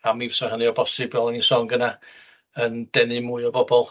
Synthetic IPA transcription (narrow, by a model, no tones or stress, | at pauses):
amivəsɔhənɨɔbɔsɪbɔlˠanisɔŋɡəna | ənd̥ɛnɨmuːɨɔbɔbɔlˠ